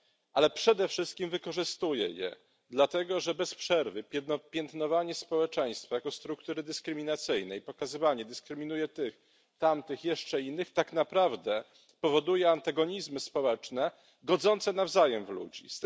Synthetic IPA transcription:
ʔalɛpʂɛd̪ɛfʂɘst̪̚kʲimvɘkɔʐɘst̪ujɛ̰jɛ̰ | d̪lat̪ɛɡɔʐɛbɛspʂɛɾvɘpʲɛnɔpʲjɛnt̪nɔvaɲɛspɔwɛt͡ʂɛj̃st̪fajakɔst̪ɾukt̪uɾɘd̪ɘskɾɘmʲinat̪sɘjnɛjpɔkazɘvaɲɛd̪ɘskɾɘmʲin̪ujɛt̪ɘx | t̪amt̪ɘxjɛʂt͡ʂɛinːɘxt̪aknapɾavd̪ɛ | pɔvɔd̪ujɛant̪aɡɔɲizmɘspɔwɛt͡ʂnɛ | ɡɔd̪zɔnt̪sɛnavzajɛmvlṵd͡ʑḭs

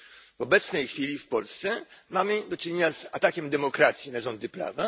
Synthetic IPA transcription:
vɔbɛt̪snɛjxfʲilʲifpɔlst̪sɛmamɘd̪ɔt͡ʂɘɲeɲazat̪akʲɛmd̪ɛmɔkɾat̪sʲjinaʐɔnd̪ɘpɾa̰va

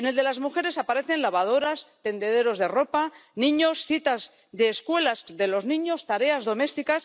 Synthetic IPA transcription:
ene̞ld̪e̞lazmuxe̞ɾe̞sapaɾe̞θe̞nlaβað̞o̞ɾast̪e̞nd̪e̞ðe̞ɾo̞zðe̞ro̞panĩɲo̞sθit̪az | ðe̞ːskwe̞lazðe̞lo̞znĩɲo̞st̪aɾe̞azðo̞me̞st̪ikas

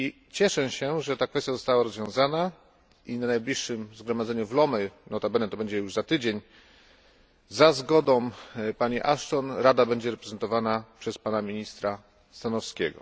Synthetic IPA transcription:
i | t͡ɕɛʂɛɕɛʐɛt̪akfɛst̪ʲjazɔst̪awaɾɔzvjɔ̃w̃zana | inanajblʲiʂːɘmzɡɾɔmad̪zɛɲuvlɔmɛnɔt̪abɛnɛt̪ɔbɛɲd͡ʑɛjuʐzat̪ɘd͡ʑeɲ | zazɡɔd̪ɔ̃w̃paɲiʔaʂt̪ɔnɾad̪abɛɲd͡ʑɛɾɛpɾɛzɛnt̪ɔvanapʂɛspanamʲiɲist̪ɾa | st̪anɔfskʲɛ̰ɡɔ̰

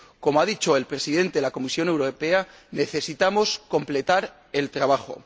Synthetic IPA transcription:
ko̞moaðit͡ʃo̞e̞lpɾe̞siðe̞nt̪elako̞misjo̞ne̞wɾope̞a | ne̞θe̞sit̪amo̞sko̞mple̞t̪aɾ | e̞lt̪ɾaβ̞axo̞̰

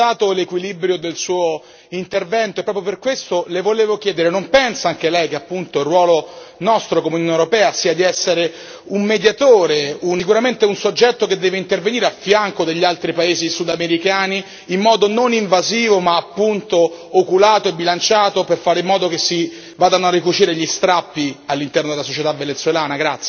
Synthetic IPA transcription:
aːt̪olekwilibɾjod̪elsuːo | int̪ervɛnt̪oepːɾɔpjoperkwest̪olevoleːvok̟jɛːd̪eɾenompɛnsaaŋk̟elɛjkeapːunt̪oirːwɔːlonɔst̪ɾokomeunjuonewɾopɛːasiːad̪iɛsːeɾe | ummed̪jat̪oːɾeunsikuɾament̪eunsod͡ʒːɛt̪ːoked̪ːɛːveint̪erveniːɾeafːjaŋkod̪eʎːalt̪ɾipaeːzisud̪ameɾikaːniː | mːɔːd̪ononiɱvaziːvomaːpːunt̪oː | kulaːt̪oebːilant͡ʃaːt̪operfaːɾeimːɔːd̪okesːi | vaːd̪anarːikut͡ʃiːɾeʎist̪ɾapːialːint̪ɛrnod̪elasot͡ʃet̪avːenet̪sːwelaːnaɡɾat̪sːj

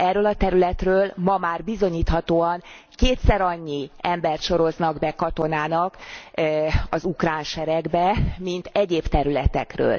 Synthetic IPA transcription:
ɛrːøːlɒt̪ɛɾylɛt̪røːlmɒmaːrbizo̞ɲiːt̪hɒt̪oːɒŋ | keːt̪sɛɾɒɲːiɛmbɛrt̪ʃo̞ɾo̞znɒɡbɛkɒt̪o̞naːnɒk | ɒzukraːnʃɛɾɛɡbɛmint̪ɛɟeːpt̪ɛɾylɛt̪ɛ̰krø̰ːl

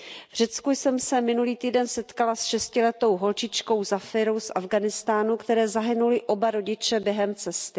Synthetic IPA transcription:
vr̝ɛt͡skujsɛmsɛmɪnuliːt̪iːdɛnsɛt̪kalasʃɛscɪlɛt̪o̞wɦo̞lt͡ʃɪt͡ʃko̞wzafɪɾo̞wsʔavɡanɪst̪aːnukt̪ɛɾɛːzaɦɪnulɪʔo̞baɾo̞ɟɪt͡ʃɛbjɛɦɛmt͡sɛst̪ɪ

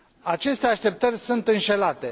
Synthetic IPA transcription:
at͡ʃe̞st̪eaʃt̪e̞p̚t̪ərʲsunt̪ɨnʃe̞lat̪e̞

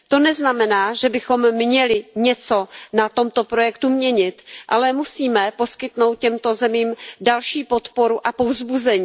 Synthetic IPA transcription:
t̪o̞nɛznamɛnaːʒɛbɪxo̞mːɲɛlɪɲɛt͡so̞nat̪o̞mt̪opɾo̞jɛkt̪umɲɛɲɪt̪ʔa̰lɛmusiːmɛpo̞skɪt̪nowt̪̚cɛmt̪o̞zɛmiːmdalʃiːpo̞t̪po̞ɾuʔapovzbuzɛɲiː

